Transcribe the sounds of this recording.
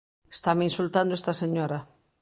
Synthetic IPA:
e̥st̪amɪinsult̪and̪oest̪ɐseɲoɾɐ

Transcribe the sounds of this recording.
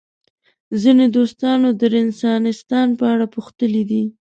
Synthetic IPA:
zined̪ost̪ɑnod̪əɾɪnsɑnɪst̪ɑnpəaɽapuxt̪əlid̪i

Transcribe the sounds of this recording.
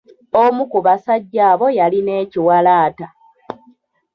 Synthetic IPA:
omukuβasaɟːaːβo̞jaline̞ːciwalaːta

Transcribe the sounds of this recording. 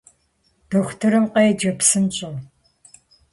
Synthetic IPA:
d̥ɨxʷtʰɨɾɨmqɐjɛd͡ʒɐpsɨnɕʼɐʁ

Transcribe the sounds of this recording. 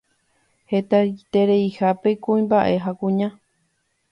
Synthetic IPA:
he̞t̪at̪e̞ɾe̞jhape̞kũĩmbaʔe̞ɦakũɲã

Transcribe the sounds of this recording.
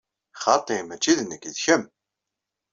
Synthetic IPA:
χɑt̪ˤemæt͡ʃːiðnəkːðçəm

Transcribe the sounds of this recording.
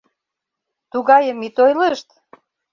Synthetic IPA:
t̪uɣɑjəmit̪ojləʃt̪

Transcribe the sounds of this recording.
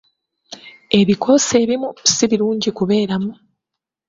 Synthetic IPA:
e̞βikʰo̞se̞ːβimui̥siβiɾuːɲɟikuβe̞ːɾamu

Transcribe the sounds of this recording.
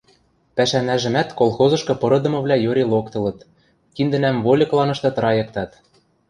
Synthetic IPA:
pæʃænæʒɘ̆mæt̪kolˠxozɤ̆ʃkɤ̆pɤ̆ɾɤ̆d̪ɤ̆mɤ̆βlʲæjøɾʲelˠokt̪ɤ̆lɤ̆t̪ | kind̪ɘ̆næmvolʲɤklˠɑnɤ̆ʃt̪ɤ̆t̪ɾɑjɤ̆k̚t̪ɑt̪

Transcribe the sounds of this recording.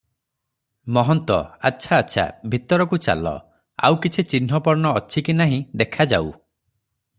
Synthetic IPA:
mɔɦɔnt̪ɔ̰a̰tːʃʰaːtːʃʰa̰bʱit̪ɔɾɔkut͡ʃa̰lɔ̰ | a̰wkit͡ʃʰit͡ʃin̤ɔpɔɾɳɔːt͡ʃʰikinaɦĩd̪ekʰad͡ʒaw

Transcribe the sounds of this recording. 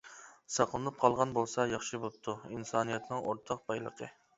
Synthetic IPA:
sɑqlˠɨnɨp̚qʰɑlˠʁɑnbolˠsɑjɑχʃɨbop̚t̪ʰuinsɑnijɛt̪nɪŋoɾt̪ʰɑq̚bɑjlˠə̰qʰə

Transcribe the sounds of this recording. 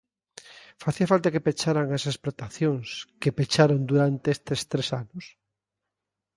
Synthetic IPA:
faθiafalt̪akepet͡ʃaɾaŋasesplot̪aθjoŋskepet͡ʃaɾond̪uɾant̪eest̪est̪ɾesanʊs

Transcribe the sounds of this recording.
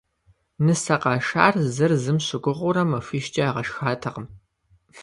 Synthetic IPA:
nɨsɐqɑːʃaːrzɨrzɨmɕɨɡʷʊʁʷʊɾɐmɐfiʃt͡ʃʼiaːʁɐʃxaːtʰɐqəm

